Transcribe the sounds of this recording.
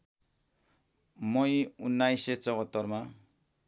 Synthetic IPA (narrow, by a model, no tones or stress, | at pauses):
mʌjunːajset͡sʌɡʌt̪ːʌrma